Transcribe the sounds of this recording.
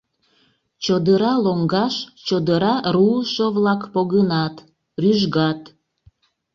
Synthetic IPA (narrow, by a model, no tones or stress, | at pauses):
t͡ɕod̪əɾɑloŋɡɑʃt͡ɕod̪əɾɑɾulʃoβlɑkpoɣənɑt̪ | ryʒɣɑt̪